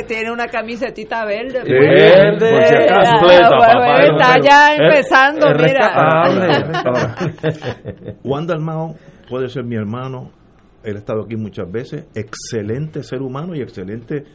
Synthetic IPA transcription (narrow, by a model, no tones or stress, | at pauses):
t̪jeneunakamis̬et̪it̪aβeɾd̪epoed̪eoekasfleaeaaʝaempesand̪osmresɾaat̪aaβleekaa | wãnd̪almaopweðeseɾmieɾmãno̞ | elest̪aðakimũt͡ʃazbe̞sesekselẽnt̪e̞se̞ɾumãnoie̞kselent̪e